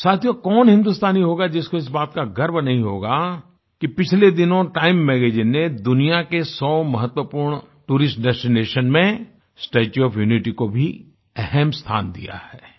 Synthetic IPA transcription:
saːt̪ʰijokɔːnɦɪ̃nd̪ust̪aːniɦoːɡad͡ʒɪskoɪs̬baːt̪kaɡɐɾbnɐɦĩɦoːɡa | kipɪt͡ʃʰled̪ɪnõʈaːɪmːɛːɡeːd͡ʒɪnːed̪ʊnijakesɔːmɐɦət̪wəpuːɾɳ̃ | ʈuːɾɪsʈ̚ɖɛsʈineːʃənmẽ | sʈeːt͡ʃuɔːfʰjuːnɪʈikobʱi | ɛɦɛmst̪ʰa̰ːnd̪ḭja̰hɛː

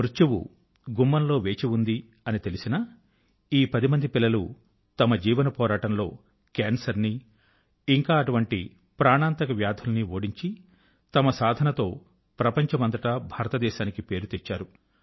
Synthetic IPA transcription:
mɾut͡ʃɐwṵ | ɡumːɐnlo̞ːʋe̞ːt͡ʃiund̪i | ɐnit̪e̞lisinɐ | iːpɐd̪imɐnd̪ipilːɐlu | t̪ɐmɐd͡ʒiːʋɐnɐpɔːɾaːʈɐmlo̞ː | kaːnsɐɾni | iŋkaːɐʈuʋɐɳʈi | pɾaːɳaːnt̪ɐkɐʋjaːd̪ʱʰulɐniʋoːɽiɲt͡ʃi | t̪ɐmɐsaːd̪ʱɐnɐt̪o̞ː | pɾɐpɐɲt͡ʃɐmɐnd̪ɐʈɐbʱaːɾɐt̪ɐd̪ɛːʃaːnikipe̞ːɾut̪et͡ʃːaːɾu

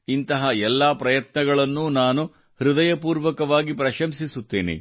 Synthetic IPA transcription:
int̪ɐɦɐɛlːaːpɾɐjɐt̪nɐɡɐɭɐnːuːnaːnu | hɾud̪ɐjɐpuːɾʋɐkɐʋaːɡipɾɐʃɐmsisut̪ːeːnḛ

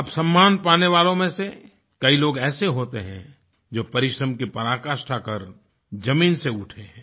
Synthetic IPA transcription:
ɐbsɐ̃mːaːnpaːneʋaːlõmẽse | kɐiloːɡɛːseɦoːt̪eɦɛ̰̃ | d͡ʒoːpɐɾɪʃɾəmkipɐɾaːkaːʃʈʰakɐɾ | d͡ʒɐmiːnseʊʈʰeɦɛ̃ː

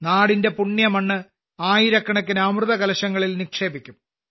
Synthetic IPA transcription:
naːɽinde̞puɳːjɐmɐɳːɨ | aːjiɾɐkːɐɳɐkːɨnaːmrɨðɐkɐlɐɕɐŋːɐɭilnikʂe̞ːbikʲːum

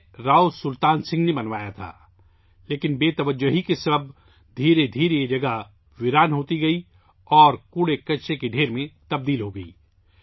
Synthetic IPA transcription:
ɾaːosʊlt̪aːnsɪ̃ŋɡnebɐnʋaːjat̪ʰa̰ː | leːkɪnbeːt̪ɐʋəd͡ʒoɦikesɐb | d̪ʱiːɾed̪ʱiːɾeed͡ʒɐɡəɦ | ʋɪɾaːnɦoːt̪iɡɐi | ɔːɾkuːɽekɐʃekeɖʱeːɾmẽt̪ɐb̚d̪iːlɦoɡɐḭː

